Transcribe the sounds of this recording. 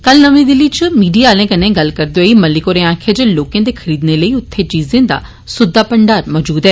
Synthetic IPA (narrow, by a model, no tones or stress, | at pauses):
kəlnəʋẽːd̪ɪliːt͡ʃmiːɖijaːlẽːkənẽːɡəlkəɾd̪eoiːməlɪkoːɾẽːãːkʰed͡ʒeːloːkẽːd̪eːkʰəɾiːd̪neːləiːʊt̪ʰːeːt͡ʃiːzẽːd̪a̰ː | sʊd̪ːaːpəɳɖaːɾmɔːd͡ʒuːd̪ɦɛː